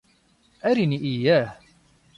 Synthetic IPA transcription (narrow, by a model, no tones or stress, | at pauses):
ʔæɾiniʔɪjːæːh